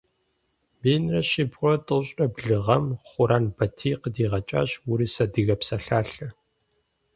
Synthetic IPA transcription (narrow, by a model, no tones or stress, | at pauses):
beːnrɐɕɪbʁʷɔtʼɨɕʼɐbɮɨʁɐmχʷʊɾaːnbɐtʰiːqədiːʁɐt͡ʃʼa̰ːɕwʊɾiːsɐdɨɣɐpsɐɬaːɬɐ